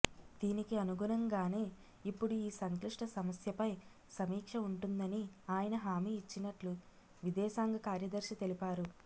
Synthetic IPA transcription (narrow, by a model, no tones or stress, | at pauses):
d̪̥iːnikiɐnuɡunɐŋɡaːne̞ː | ipːuɽuiːsɐŋkliʂʈɐsɐmɐsjɐpɐj | sɐmiːkʂɐuɳʈund̪ɐniaːjɐnɐɦaːmiːt͡ʃːinɐʈlu | ʋid̪ɛːʃaːŋɡɐkaːɾjɐd̪ɐɾʃit̪e̞lipaːɾu